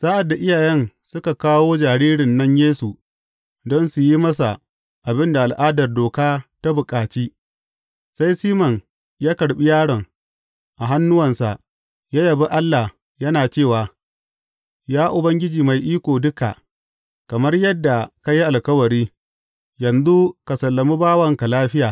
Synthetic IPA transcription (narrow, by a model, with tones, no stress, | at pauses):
saː˦ʔa˨dːa˨ʔɪ˦jaː˨jɛ˦n | sʊ˦ka˨kaː˦woː˦d͡ʒaː˨ɾiː˦ɽɪ˨nːɐ˦ɲjeː˦su˨ | dɔ˦nsu˨ji˦mɐ˦sa̰˨ | ʔa˨bɪ˦nda˨ʔa˨lʔaː˦dɐ˨rdoː˨kaː˦ta˦bʊ˨kʼaː˨t͡ʃiː˦ | sa˦jsiː˦mɐ˨ŋ | jaː˦kɐ˨ɽɓi˦jaː˦ɽɔ˨ŋ | ʔa˨ɦa˦nːʊ˦wɐ˨nsa˨ʔ | jaː˦jɐ˨bi˦ʔa˦lːa˨ | jɐ˦naː˨t͡ʃeː˦˨waː˨ | jaː˦ʔʊ˨bɐ˦ŋɡʲɪ˦d͡ʒiː˨ma˨jʔiː˦kʷoː˨dʊ˦ka̰˨ | kɐ˨mɐ˦rjɐ˦dːa˨ka˦ji˦ʔa˨lkɐ˦wɐ˨ɾiː˦ | jɐ˨nzu˦ka˨sɐ˨lːɐ˨mi˦baː˦wɐ˦˨ŋka˨laː˦ɸɪ˦jaː˨